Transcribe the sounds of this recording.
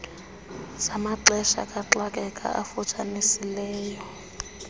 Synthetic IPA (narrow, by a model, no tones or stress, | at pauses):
zamaǁɛʃa̰kʼaǁakʼɛkʼa̰ʔafut͡ʃʼanisilɛːjɔ